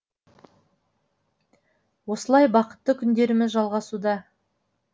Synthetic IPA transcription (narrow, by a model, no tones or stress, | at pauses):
wo̞səlˠɑjbɑqə̥t̪ːəkʲʰʏnd̪e̞ɾɪmɪzʒɑlˠʁɑsud̪ɑ